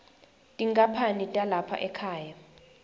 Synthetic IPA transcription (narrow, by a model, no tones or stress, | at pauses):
tʼiŋkʼapʰanitʼalapʰa̰ʔɛkʰaːja